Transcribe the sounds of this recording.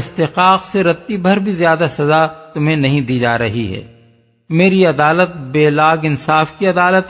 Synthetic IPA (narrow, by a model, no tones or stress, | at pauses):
ɪst̪ɪqaːqseɾɐt̪ːibʱɐɾbʱizjaːd̪asɐzat̪ʊmɦẽnɐɦĩd̪iːd͡ʒaːɾɐɦiɦɛ̰ː | meːɾiɐd̪aːlət̪̚beːlaːɡɪnsaːfkiɐd̪aːlət̪